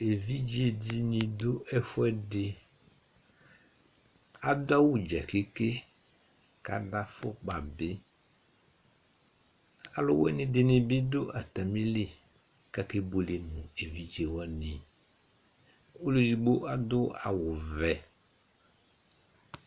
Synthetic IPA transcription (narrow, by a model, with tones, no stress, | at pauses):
e˨vi˦d͡ʒi˦e˨di˦nɪ̃˨dʊ˦ʔɛ˦fʊ˦ɛ˦dɪ˦ | a˨dʊ˦a˦wʊ˨d͡ʒa̰˨ke˦ke˦ | ka̰˨da˦fʊ˦k͡pa˨bɪ˦ | a˨lʊ̰˦wɛ̰˦nɪ̃˨dɪ˨nɪ̃˨bɪ˦dʊ˦ʔa˨t̪a˨mĩ˦lɪ˦ | ka˦ke˦bo˨le˨nʊ̃˨e˨vi˦d͡ʒe˨wɔ˦nɪ̃˨ | o˦lo˦zi˨ɡ͡bo˦ʔa˨dʊ˦a˨wʊ˨vɛ˨